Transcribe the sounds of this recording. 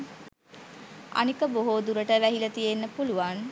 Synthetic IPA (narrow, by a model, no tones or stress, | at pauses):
a̰nikəboɦoːd̪uɾəʈəʋæɦilət̪ijenːəpuluʋan